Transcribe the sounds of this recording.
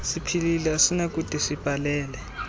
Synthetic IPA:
sipʰililɛasinak̬ʼutʼisib̥ʱalɛːlɛ

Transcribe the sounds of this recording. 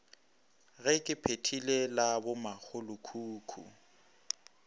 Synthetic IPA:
ɣɛkʼɪpʰetʰilelabʊmak͡xʰʊlʊkʰuːkʰṵ

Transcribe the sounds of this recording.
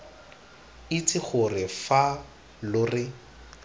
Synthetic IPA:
ɪt͡sʰʼɪχʊrɪfa | lʊrɪ

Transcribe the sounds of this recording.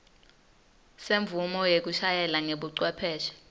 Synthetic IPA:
seɱb̪vumɔjek̬uʃajɛlaŋeɓuǀwɛpʰɛːʃɛ̥

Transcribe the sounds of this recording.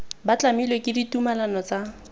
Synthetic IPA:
bat͡ɬamilekʼɪditumalanɔt͡sa

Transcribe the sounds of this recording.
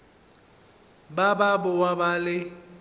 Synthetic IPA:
bababʊwabalɪ

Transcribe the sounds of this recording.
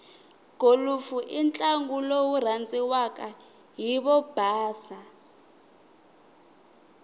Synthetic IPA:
ɡ̥ʱolufuʔint͡ɬʼaŋɡulowur̤ant͡sʼiwakʼa | ɦiβɔb̥ʱaːsa

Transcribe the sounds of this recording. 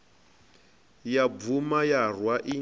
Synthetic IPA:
jab̪umajarwaʔi

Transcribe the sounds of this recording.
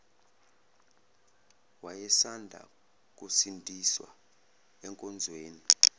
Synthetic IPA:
wajɛsandʱa̰ | k̬ʼusindʱiswa̰ | ɛŋkʼɔnd͡zʱweːni

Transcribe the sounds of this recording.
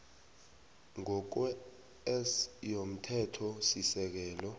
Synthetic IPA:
ŋɔk̬wɛ | ɛsjom̩tʰɛtʰɔsisɛk̬ɛːlɔ

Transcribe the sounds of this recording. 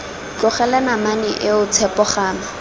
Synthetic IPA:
kʊχɛlanamanɪʔɪʊt͡sʰɛpɔχaːma

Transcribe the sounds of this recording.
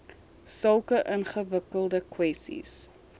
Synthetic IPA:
səlˠkəʔənχəvəkəlˠdəkwɛstḭs

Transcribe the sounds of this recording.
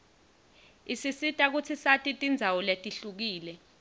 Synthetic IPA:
isisitʼak̬ut͡sʰisatʼitʼind͡zʱawɔletʼiɬuk̬iːlɛ

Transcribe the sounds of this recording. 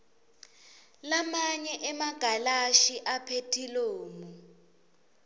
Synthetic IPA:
lamaɲɛʔɛmaɡ̥ʱalaʃiʔapʰetʰiloːmu

